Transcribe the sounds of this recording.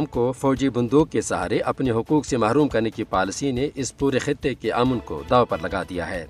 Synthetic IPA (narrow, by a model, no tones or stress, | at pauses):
mkofɔːd͡ʒibʊ̃nd̪uːk̚ːesɐɦa̰ːɾeʔɐpneɦʊkuːksemaːɾuːmkɐɾnekipaːlɪsineʔɪspuːɾexɪt̪ːekeʔɐːmənko̰d̪aːopɐɾlɐɡad̪ija̰ɦɛː